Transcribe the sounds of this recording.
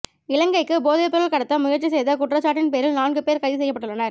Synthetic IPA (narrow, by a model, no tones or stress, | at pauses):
ɪlɐŋɡɐɪkːɯboːðepːɐɾɯlkɐɽɐt̪ːɐmʊɣɐʈt͡ʃːisɛjðɐkʊʈrɐt͡ʃːaːʈ̬ːɪnpeːɾɪlnaːnɡɯpeːɾkɐɪðɯsɛjːɐpːɐʈːɯɭːɐnɐɾ